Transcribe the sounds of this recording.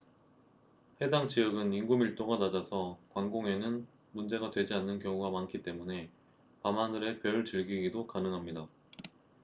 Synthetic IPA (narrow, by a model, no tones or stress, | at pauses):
ɸe̞daŋt͡ɕijʌɡɯniŋɡumiɭt͈oŋanad͡ʑasʰʌkwaŋɡoŋe̞nɯn | mund͡ʑe̞ɡadwe̞d͡ʑianːɯnkjʌŋuɡamankʰit͈e̞mune̞ | pamanɯɾe̞pjʌɭt͡ɕɯɭɡiɡidokanɯŋɦamɲida